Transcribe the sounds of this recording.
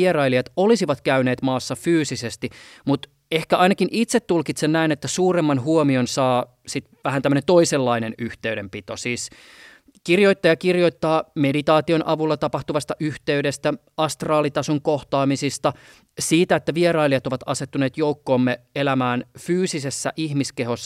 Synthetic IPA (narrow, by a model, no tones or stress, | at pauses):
erɑiliɑt̪olisiʋɑt̪kæyneːt̪mɑːsːɑfyːsisest̪imut̪ | ehkæɑinɑkinʔit̪set̪ːulkit̪sennæinet̪ːæsuːremːɑnhuomionsɑː | sit̪ʋæhænt̪æmːøənent̪oiselːɑinenyht̪eyɥɾempit̪o̰siːs | kirjoit̪ːɑjɑkirjoit̪ːɑːmedit̪ɑːt̪ionʔɑʋulːɑt̪ɑpɑht̪uʋɑst̪ɑʔyht̪eydest̪æ | ɑst̪rɑːlit̪ɑsoŋkoht̪ɑːmisist̪ɑ | siːt̪æet̪ːæʋierɑiliɑt̪oʋɑt̪ɑset̪ːuneːt̪joukːoːmːeelæmæːnfyːsisesːæ̰ʔihmiskehosː